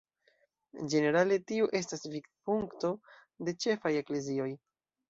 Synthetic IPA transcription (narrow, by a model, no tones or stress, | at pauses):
d͡ʒe̞ne̞ɾale̞tiuʔe̞s̬tasvikpuŋkto̞ | de̞t͡ʃe̞faje̞kle̞zio̞j